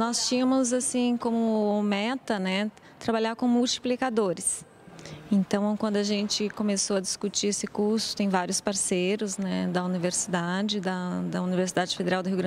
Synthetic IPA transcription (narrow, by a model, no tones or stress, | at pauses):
nɔst͡ʃĩɲɐ̃mʊzasĩkõmʊmɛt̪ɐnɛ | t̪ɾabaʎaɾkõmuwt͡ʃi̥plikad̪oɾɪs | ẽnt̪ɐ̃w̃kwɐ̃nd̪ʊɐʒẽnt͡ʃɪkõmesoɐd͡ʒɪskut͡ʃiesɪkuɾsʊ̥t̪ẽj̃vaɾjʊspaɾsejɾʊznɛd̪ɐuniveɾsid̪ad͡ʒɪd̪ɐd̪ɐuniveɾsid̪ad͡ʒɪfed̪eɾawd̪ʊɦiwɡɾɐ̃